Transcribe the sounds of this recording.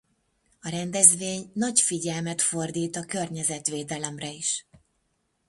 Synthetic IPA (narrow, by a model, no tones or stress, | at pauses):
ɒɾɛnd̪ɛzʋeːɲnɒcfiɟɛlmɛt̪fo̞rd̪iːt̪ɒkørɲɛzɛt̪ʋeːd̪ɛlɛmrɛiʃ